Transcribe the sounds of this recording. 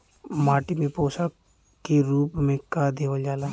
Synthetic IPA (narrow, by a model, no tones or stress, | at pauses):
maːʈimẽpoːsa | kiɾuːpmẽkad̪eːʋəljaːla